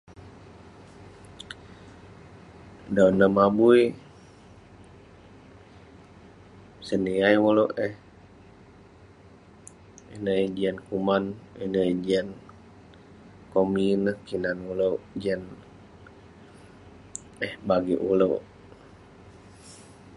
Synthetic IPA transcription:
dawnəhmabuj | səniajulowʔəh | inəd͡ʒiənkumaninəid͡ʒiən | kominəhkinanuloʔd͡ʒiən | əhbaɡiʔulowʔ

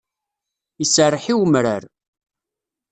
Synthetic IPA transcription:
isərˤːħiwəmɾəɾ

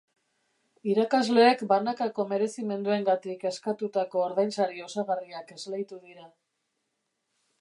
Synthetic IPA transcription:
iɾakazle̞ːkbanakako̞me̞ɾe̞sime̞nd̪ue̞ŋɡat̪ike̞skat̪ut̪ako̞ːɾðajnsaɾio̞saɣariake̞zlejt̪uðiɾa

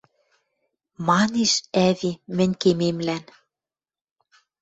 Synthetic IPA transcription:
mɑneʃævimɘ̆nʲkememlæn

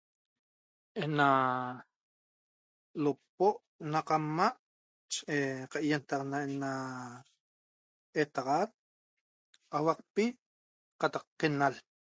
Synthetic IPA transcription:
ʔena | lop̚oʔ | naqamːaʔ | t͡ʃʔeqɑʔjent̪aqnaena | et̪aʁat̪̚ | ʔawɑq̚pi | qɑt̪ɑqqenal

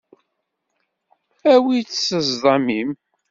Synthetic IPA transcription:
æwit͡sːsəzðˤɑmim

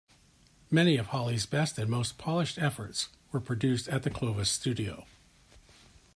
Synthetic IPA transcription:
mɛñiʌv̥hɑlˠizbɛstɨ̃nmoʊspʰɑlˠɨʃtɛfə˞ts | wə˞pʰɹ̥ɨdʉstɨt̪̚ðɨkʰl̥oʊvɨstʉɾioʊ

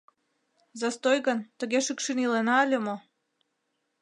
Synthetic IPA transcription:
zɑst̪ojɣənt̪əɣeʃɨkʃinilenɑəlʲə̆mo

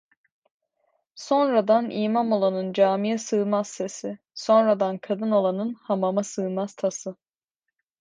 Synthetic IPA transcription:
so̞nɾad̪aniːmamo̞lˠanɯnd͡ʒaːmijɛsɯːmaz̥se̞sɪ | so̞nɾad̪ankʰad̪ɯno̞lˠanɯnhamamasɯːmaz̥t̪ʰasɯ

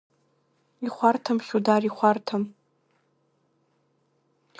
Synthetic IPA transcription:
iχʷartʰamχʲudariχʷartʰam

